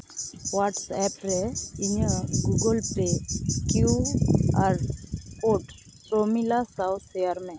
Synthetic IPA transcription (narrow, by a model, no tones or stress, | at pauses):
waʈsɛpɾɛiɲəɡuɡəlpekjuaɾpoʈ | somilasaw̪seaɾmẽ